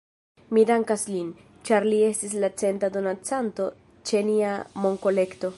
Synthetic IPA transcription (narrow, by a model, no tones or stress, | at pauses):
midaŋkaslin | t͡ʃaɾlie̞stis̬lat͡se̞ntado̞nat͡santo̞ | t͡ʃe̞niamo̞ŋko̞le̞kto̞